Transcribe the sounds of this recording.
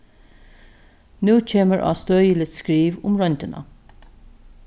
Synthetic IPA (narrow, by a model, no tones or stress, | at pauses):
nuːt͡ɕʰeːməɹʔɑ̰ːst̪øːjəlɪt̪skɹiːʋʊmɹɔnʲt̪ənɑ̰